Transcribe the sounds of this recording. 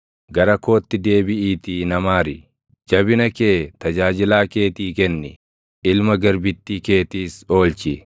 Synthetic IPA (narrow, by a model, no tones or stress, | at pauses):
ɡɐɾɐko̞ːt̪ːɪd̪e̞ːbɪʔiːt̪iːnɐmaːɾɪ̰ | d͡ʒɐbɪnɐke̞ːt̪ɐd͡ʒaːd͡ʒɪlaːke̞ːt̪iːkɛnːɪ | ʔɪlmɐɡɐɾbɪt̪ːiːke̞ːt̪iːso̞ːlt͡ʃɪ